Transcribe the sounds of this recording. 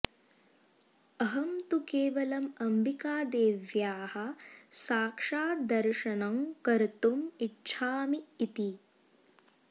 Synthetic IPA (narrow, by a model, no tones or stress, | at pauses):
ɐɦɐmt̪ukeːʋɐlɐmɐmbikaːd̪eːʋjaːhɐ̆saːkʂaːd̪ɐɾʃɐnɐmkɐɾt̪umiʈːʃʰaːmiːt̪i